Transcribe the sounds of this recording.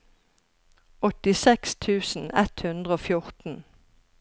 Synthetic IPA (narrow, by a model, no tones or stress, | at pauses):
ʔɔt̪ɪsɛkst̪ʰʉːsn̩ɛt̪hʉnd̪ʁəoːfjʊʁt̪n̩